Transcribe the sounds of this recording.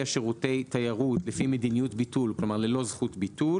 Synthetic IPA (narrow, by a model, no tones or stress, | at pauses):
aʃeʁutejtajaʁutlefimed̪inijutbitulklomaʁlelo̞zχutbitu